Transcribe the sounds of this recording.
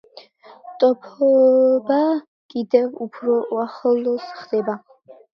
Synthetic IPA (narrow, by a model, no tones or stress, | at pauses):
t̪ʼɔpʰɔba | kʼid̪ɛvupʰɾɔwaχəlɔsχd̪̥ɛba